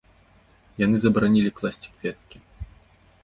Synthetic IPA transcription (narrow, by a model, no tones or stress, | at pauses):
janɨzɐbɾanʲilʲiklˠasʲt͡sʲi̥kvʲɛt̪̚kʲi